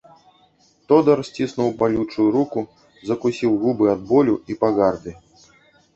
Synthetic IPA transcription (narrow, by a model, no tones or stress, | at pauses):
t̪ɔd̪ɐrsʲt͡sʲisnuwbalʲut͡ʂujuɾuku | zɐkusʲiwɣubɨad̪̚bɔlʲuipaɣard̪ɨ